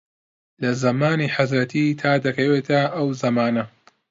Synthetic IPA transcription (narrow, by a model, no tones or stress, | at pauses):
lɐzɐmaːniːħazɾɐt̪ʰit̪ʰaːd̪ɐkɐweːt̪ʰɐʔɐwzɐmaːnɐ